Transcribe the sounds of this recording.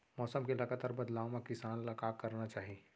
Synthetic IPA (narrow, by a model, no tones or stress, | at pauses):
mɔːsəmkelɐɡat̪aːɾbɐd̪laːwmãkɪsaːnlɐkaːkkːɐɾnat͡ʃaːɦie